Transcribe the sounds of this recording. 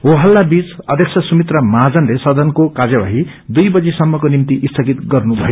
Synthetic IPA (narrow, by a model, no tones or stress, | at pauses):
oɦʌlːabit͡sʌd̪ʱjeksʰʌsumit̪rʌmad͡zʌnlesʌd̪ʱʌnkokad͡zjaba̰ɦi | d̪ujbʌd͡zisʌmːʌkonimt̪iʔist̪ʰʌɡit̪ɡʌrnubʱʌjo